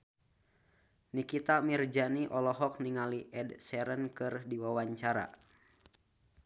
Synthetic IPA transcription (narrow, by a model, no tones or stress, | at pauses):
nikit̪amird͡ʒaniʔɔlɔɦɔk̚niŋaliʔɛdsɛɾənkɨrdiwawaɲt͡ʃaɾa̰